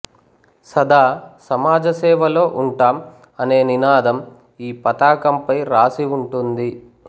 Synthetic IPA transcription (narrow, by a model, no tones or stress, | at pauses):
sɐd̪aːsɐmaːd͡ʒɐsɛːʋɐlo̞ːʔuɳʈaːm | ɐne̞ːninaːd̪ɐm | iːpɐt̪aːkɐmpɐjɾaːsiuɳʈund̪i